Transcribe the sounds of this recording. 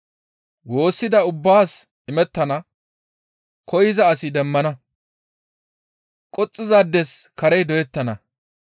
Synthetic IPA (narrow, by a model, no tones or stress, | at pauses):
wo̞ːsːɪd̪ɐʊbːaːs | ɪmɛt̪ːɐnɐ | kɔjɪzɐːsɪd̪ɛmːɐnɐ | kʼɔt͡sʼːɪzad̪ːɛskɐɾɛjd̪ɔjɛt̪ːɐnɐ